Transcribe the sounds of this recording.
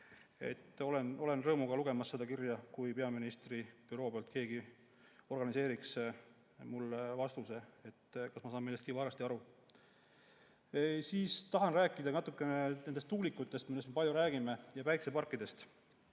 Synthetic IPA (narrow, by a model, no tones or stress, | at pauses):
e̞̰t̪ːˑo̞le̞no̞le̞nrɤːmuɡ̥ɑluɡ̥e̞mɑsːe̞d̪ɑkirjɑkujpe̞ɑminist̪rib̥ywɾo̞ːpeɑlt̪̚ke̞ːɡi | o̞rɡ̥ɑnise̞ːɾiks | mulːvɑst̪use̞et̪ːkɑsmɑsɑːmːelːest̪kivɑːɾɑst̪iɑɾu | siːst̪ɑɦɑnræːkːˑid̪̥ɑnɑt̪ːˑukːˑe̞nened̪e̞st̪ːuɡlikːˑut̪ˑːe̞st̪milesme̞pɑlʲjuɾæːɡ̥ime̞jɑpæjksepɑrkːˑid̪̥e̞st̪